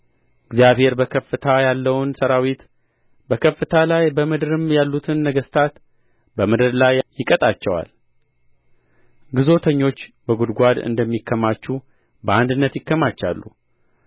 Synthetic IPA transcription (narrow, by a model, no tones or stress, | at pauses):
ʔɨɡzijaβhe̞ɾbəkʰəfɨt̪ʰajalːəwnsəɾawit̪ | bəkʰəfːɨt̪ʰalajbəmɨd̪ɾɨmjalːut̪ʰɨnːəɡəst̪ʰat̪ | bəmɨd̪ɾlajjɪkʼət̪ʼat͡ʃːɛwa̰l | ɡɨzo̞t̪ʰəɲːo̞t͡ʃːbəɡud̪ɡʷad̪ɨ̰nd̪əmːikʰːəmat͡ʃːu | bəand̪ɨnːət̪jɪkːəmat͡ʃːa̰lːṵ